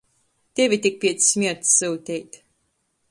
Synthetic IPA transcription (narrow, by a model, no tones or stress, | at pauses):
t̪ʲevʲit̪ʲik̚pʲiɛt̪ssmʲiɛɾt̪sːɨwt̪ʲɛjt̪